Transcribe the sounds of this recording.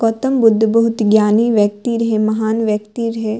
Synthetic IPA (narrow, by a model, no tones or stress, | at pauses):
kot̪ɐmbʊd̪ʱːbɐɦut̪ɡjaːniʋjɐk̚t̪iɾɐɦemɐɦaːnʋjɐkt̪iɾɐɦe